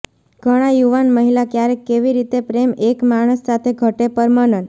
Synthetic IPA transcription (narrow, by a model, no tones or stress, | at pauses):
ɡ̥ʱəɽ̃ajuʋanməɦilakjaɾekːeʋiɾit̪epɾemekmaɽ̃əsːat̪ʰeɡʱəʈepəɾmanən